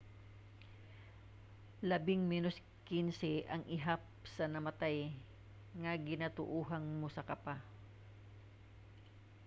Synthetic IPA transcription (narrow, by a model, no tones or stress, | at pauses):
lɐbɪŋmɛnos | kinsɛʔɐŋʔɪɦap̚sɐnɐmɐt̪aj | ŋɐɡɪnat̪ʊ̰ʔuːɦɐŋmo̞sɐkɐpa